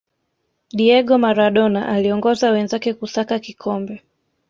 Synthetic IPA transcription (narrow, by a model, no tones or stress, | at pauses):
ɗiɛɠɔmaɾaɗɔnaʔaliɔŋɡɔzawɛnzakɛkusakakikʰɔmbɛ